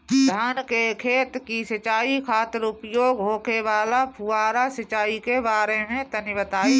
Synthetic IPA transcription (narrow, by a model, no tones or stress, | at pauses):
d̪ʱaːnkekʰeːt̪kisət͡ʃaːikʰaːt̪əɾʊpjoːɡɦoːkebaːlapʰuaːɾasət͡ʃaːikebaːɾemẽt̪ənɪʋət̪aːi